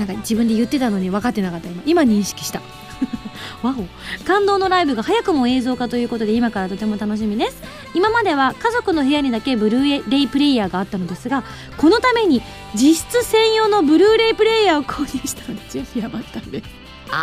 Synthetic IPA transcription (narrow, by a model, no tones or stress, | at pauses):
nãŋkad͡ʑibɯ̟̃nd̪e̞jɯ̟t̪ːe̞t̪ano̞ɲ̟iβakat̪ːe̞nakat̪ːaimaimaɲ̟ĩɰ̃ɕi̥kʲi̥ɕi̥t̪a | βao | kãnd̪o̞ːno̞ɾaibɯ̟ɡahajakɯ̟mo̞e̞ːzo̞ːkat̪o̞jɯ̟ːko̞t̪o̞d̪e̞imakaɾat̪o̞t̪e̞mo̞t̪ano̞ɕ̬imʲid̪e̞sɨ̥ | imamad̪e̞βakazo̞kɯ̟no̞ɦe̞jaɲ̟id̪ake̞bɯ̟ɾɯ̟ːeɾe̞ipɯ̟ɾe̞ijaːɡaːt̪ːano̞d̪e̞sɨɡa | ko̞no̞t̪ame̞ɲ̟i | d͡ʑiɕi̥t͡sɨsẽ̞ɰ̃jo̞no̞bɯ̟ɾɯːɾe̞ipɯ̟ɾe̞ijaːo̞kʰoːɲʲĩːɕi̥t̪anod̪et͡ɕiaçijabat̪ːanod̪esɨ̥